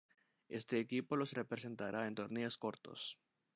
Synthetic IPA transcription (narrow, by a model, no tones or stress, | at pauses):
e̞̰st̪eːkipo̞lo̞sre̞pɾe̞se̞nt̪aɾʔaent̪o̞ɾneosko̞ɾt̪o̞̰s